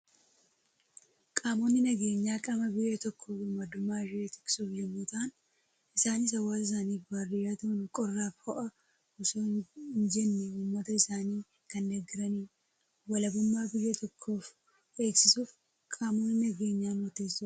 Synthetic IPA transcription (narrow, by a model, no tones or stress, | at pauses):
kʼaːmoːnːɪnɐɡe̞ːɲːaːkʼɐmɐbɪjːɐt̪ɔkʰːo̞ːfɪmɐd̪ʊmːaːɾet̪ɪ̥kʼsuːfjɛmːuːt̪aːn | ɪsaːniːs̬ɐwaːɪs̬aːniːfbarɪjat̪unkʼɔrːaːfhɔʔɐ | ʊsoːnd͡ʒɛnːɛuːmːɐt̪ɐɪsaːniː | kɐnd̪ɐɡːɪɾɐniː | wɐlɐbʊmːaːbɪjːɐt̪ɔkʰːo̞ːf | ʔe̞ːksɪsuːf | kʼaːmo̞ːnːɪnɐɡe̞ːɲːaːnʊt̪eːsʊ